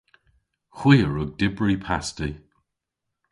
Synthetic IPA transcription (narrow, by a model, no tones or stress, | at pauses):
xw̥iːəɹʊɡ̚dɪbɹipʰasti